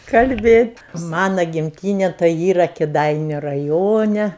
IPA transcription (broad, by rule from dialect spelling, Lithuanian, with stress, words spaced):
kɐlʲˈbʲeːtʲ ˈmɑːnɐ ɡʲɪmʲˈtʲiːnʲɛ tɐɪ ˈiːrɐ kʲɪˈdɐɪnʲʊ rɐˈjoːnʲɛ